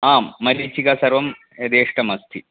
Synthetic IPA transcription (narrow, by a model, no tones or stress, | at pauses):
aːmːɐɾiːt͡ɕːikasɐrʋɐm | ed̪eːʂʈɐmɐst̪ʰi